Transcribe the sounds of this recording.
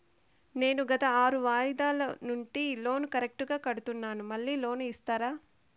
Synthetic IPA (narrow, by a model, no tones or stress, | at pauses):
ne̞ːnuɡɐt̪ɐaːɾuʋaːjd̪aːlɐnuɳʈilo̞ːnukɐɾek̚ʈuɡaːkɐɽut̪unːaːnumɐɭːiːlo̞ːnuist̪aːɾaː